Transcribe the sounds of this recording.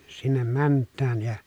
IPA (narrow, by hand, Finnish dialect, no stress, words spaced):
sinːem mæntˑæːj jɑ